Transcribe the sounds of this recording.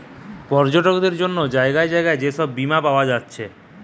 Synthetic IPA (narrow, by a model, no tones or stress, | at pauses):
pɔɾd͡ʑoʈokd̪eɾd͡ʑonːod͡ʑaeɡaed͡ʑaeɡaed͡ʑeʃɔbːimapaoad͡ʑatːɕʰe